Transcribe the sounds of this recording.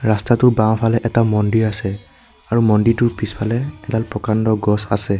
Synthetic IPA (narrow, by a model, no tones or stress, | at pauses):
ɹastatʊɹbãw̃pʰalɛʔɛtamɔndiɹasɛ | aɹumɔnditʊɹpispʰalɛɛdalpɹɔkandɔɡɔsa̰sɛ